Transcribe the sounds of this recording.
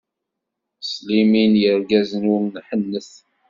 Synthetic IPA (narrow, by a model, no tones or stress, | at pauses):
sliminjəɾɡæzənuɾnħənːəθ